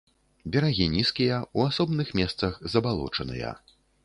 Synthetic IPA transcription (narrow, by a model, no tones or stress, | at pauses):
bʲɛɾaɣʲinʲiskʲijɐuasɔbnɨxmʲɛst̪sɐxzɐbalˠɔ̰t͡ʂɐnɨ̰jɐ̰